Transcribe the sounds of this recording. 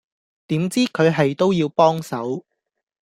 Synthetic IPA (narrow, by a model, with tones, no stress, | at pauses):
t̪iː˨˥mt͡siː˥kʰɵ˨˧ɥɦɐ˨jt̪o˥wjiː˧wpɔː˥ŋsɐ˨˥w